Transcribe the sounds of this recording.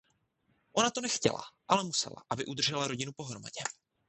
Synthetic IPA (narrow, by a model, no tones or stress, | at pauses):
ʔo̞nat̪o̞nɛxcɛ̰la̰ʔalɛmusɛ̰la̰ʔabɪʔud̪r̩ʒɛlaɾo̞ɟɪnupo̞ɦɾo̞maɟɛ